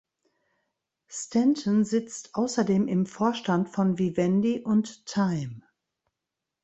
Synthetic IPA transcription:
stʰɛntʰənzɪt͡stʔaʊsɐdeːmʔɪmfoːɐʃtantfɔnvivɛndiʔʊntʰːaɪm

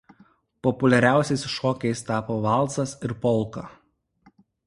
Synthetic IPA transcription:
pɔpʊlʲɛɾʲæˑʊsʲɛɪsʃɔːkʲɛɪst̪ɑːpoːʋɑˑlˠˑsɐsɪɾpɔlˠˑkɐ

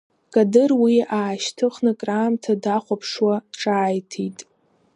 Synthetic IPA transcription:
kʼadɨrwiaːʃtʰɨχnɨkʼraːmtʰadaχʷapʰʂwaʈ͡ʂʼaːjtʰitʼ

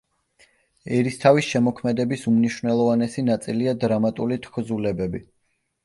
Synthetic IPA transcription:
ɛɾist̪ʰavisʃɛmɔkʰmɛd̪ɛbisumniʃwnɛlˠɔvanɛsinat̪sʼiliad̪ɾamat̪ʼulit̪ʰkʰzulɛbɛbi

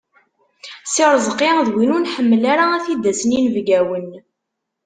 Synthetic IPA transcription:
sɪɾˤzˤqːiðwinʊnħəmːəlaɾaæθid̪ːæsəninvɡæwən

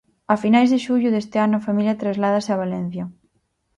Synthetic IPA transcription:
afinajzðeʃuʎʊðest̪eanʊafamiljat̪ɾezlaðaseaβalɛn̟θja

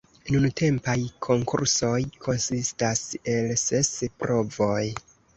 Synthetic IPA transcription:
nuntʰe̞mpajkʰo̞ŋkʰṵɾso̞jkʰo̞nsistase̞lse̞spɾo̞vo̞j

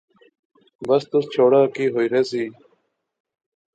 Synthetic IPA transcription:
bəst̪ʊst͡ɕʰoːɽaːkiːɦoːiɾeːsiː

